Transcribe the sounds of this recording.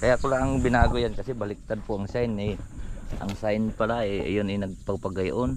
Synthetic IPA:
kajakʊlaʔaŋbɪnaɡʊjankasɛbalɪk̚t̪ad̪̚pʊaŋsajnɪʔa̰ŋsajnpalaɛʔjʊnɛnɐɡ̚paɡ̚paɡajʔon

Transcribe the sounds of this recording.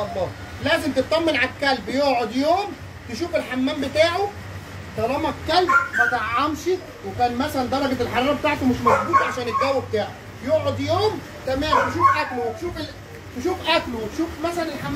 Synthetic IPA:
ɑbːɑː | læːzemt̪et̪ˤːɑmːenʕakːælbjoʔʕod̪joːm | t̪eʃuːfelħamːæːmbet̪aːʕo | t̪ˤɑlɑːmækælb̚bɑt̪ˤɑʕʕɑmʃi | wekæːnmæsælænd̪ɑɾˤɑɡet̪elħɑɾˤɑːɾˤɑbet̪aːʕt̪omeʃmɑtbuːt̪ˤɑʕaʃæːneɡ̪æːwæbet̪aːʕo | joʔʕod̪joːm | t̪æmæːmt̪eʃuːfʔæklowet̪ʃuːfel | t̪eʃuːfʔæklowt̪ʃuːfmæsælænelħamː

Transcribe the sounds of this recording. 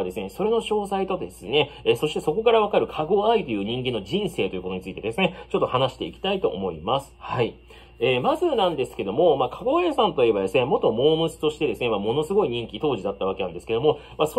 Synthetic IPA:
d̪e̞sɨne̞so̞ɾe̞no̞ɕo̞ːsait̪o̞d̪e̞sɨne̞so̞ɕi̥t̪e̞so̞ko̞kaɾaβ̞akaɾɯ̟kʰaɡoait̪o̞jɯ̟ːɲ̟ĩŋɡẽ̞nːo̞ʑĩɰ̃se̞ːt̪oiɯ̟kot̪oɲ̟it͡sɨit̪e̞d̪e̞sɨne̞t͡ɕo̞t̪ːo̞hanaɕi̥t̪e̞̰ikʲi̥t̪ait̪o̞ʔːmo̞ḭmasɨ̥hai | eːmazɨnãnd̪e̞sɨ̥ke̞d̪o̞mo̞makʰaɡo̞aisãnt̪o̞ie̞bad̪e̞sɨne̞mo̞t̪o̞mo̞ːmɯ̟t͡sɨ̥t̪oɕi̥t̪e̞d̪e̞sɨne̞mamo̞no̞sɨɡo̞iɲ̟ĩŋkʲit̪o̞ːʑid̪at̪ːaβ̞akeãnd̪eɨ̥ke̞d̪o̞mo̞mas

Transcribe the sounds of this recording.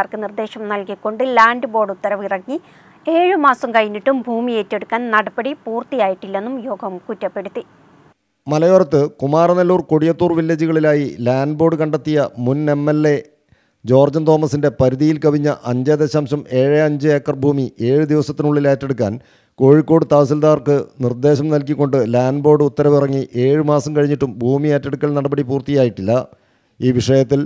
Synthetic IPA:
aːrkɨnird̪e̞ːɕɐmnɐlkikːo̞ɳɖɨlaːndɨbo̞ːɖut̪ːɐɾɐʋirɐŋːi | e̞ːɻɨmaːsɐmkɐjinːiʈːumbʱuːmijeːtːe̞ɽukːaːnnɐɽɐbɐɽipuːrt̪ijaːjiʈːilːe̞nːumjo̞ːɡʱɐmkutːɐpːe̞ɽut̪ːi | mɐlɐjorɐt̪ːɨkumaːɾɐnɐlːuːrkoɽijɐt̪ːuːrʋilːɐd͡ʑiɣɐɭilaːjilaːnɖbo̞ːɖɨkɐɳɖet̪ːijɐmune̞mːe̞lːe̞ | d͡ʑo̞ːrd͡ʑɐnt̪o̞ːmɐsinde̞pɐɾuðijilkɐʋiɲːɐʔɐɲd͡ʑɐːd̪ɐɕaːmɕɐme̞ːɻeɐɲd͡ʑɨeːkːɐrbʱuːmiʔe̞ːɻɨd̪iʋɐsɐt̪ːinuɭːileːtːeɽukːa̰ːn | ko̞ːɻikːo̞ːɽɨt̪aːɐsild̪aːrkɨnird̪e̞ːɕɐmnɐlkikːo̞ɳɖɨlaːnɖbo̞ːɖɨut̪ːɐɾɐmirɐŋːiʔe̞ːɻɨmaːsɐmkɐɻiɲːiʈːumbʱuːmijeːtːeɽukːɐɭnɐɽɐbɐɽipuːrt̪ijaːjiʈːilːɐ | iːʋiʂɐjɐt̪ːil

